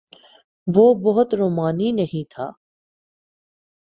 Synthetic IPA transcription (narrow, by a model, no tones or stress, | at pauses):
ʋoːbɔɦʊt̪ɾoːmaːniːnəɦĩːt̪ʰa̰ː